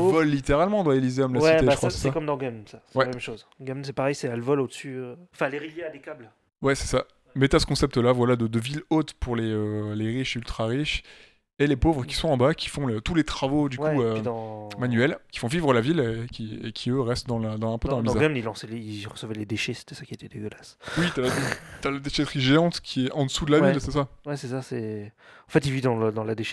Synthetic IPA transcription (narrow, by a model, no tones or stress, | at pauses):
vɔlːit̪eʁalmɑ̃d̪waelizeɔmlawɛt̪ekχwassɛakɔmd̪ɑ̃ɡɛmsasɛwɛamɛmʃozɡamsɛpaʁɛjsɛɛlvɔlod̪əsyøɑ̃fleʁiljead̪ekʲabl | wɛsɛ̥sa | mɛt̪yasə̥kɔ̃sɛp̚t̪əlavwalad̪əd̪əvilot̪puʁleøleʁiʃylt̪χaʁiʃ | elepovʁəkʲi̥sɔ̃ɑ̃bakʲʰi̥fɔ̃øt̪ulet̪χavod̪ywkuød̃manɥɛlkʲi̥fɔ̃vivʁəlavilekʲiekʲʰiøʁɛst̪d̪ɑ̃ld̪ɑ̃zɛ̃pød̪ɑ̃lamĩzaɡamilɑ̃sɛleiʁəsəvɛled̪eʃese̥t̪ɛ̥sakʲiet̪ɛd̪eɡʲəlaswit̪yalat̪alad̪eʃɛt̪χiʒeɑ̃t̪kʲʰiɛʔɑ̃d̪əsud̪əlavilsɛsawɛsɛsasɛɑ̃fɛt̪ivid̪ɑ̃ld̪ɑ̃lad̪eʃ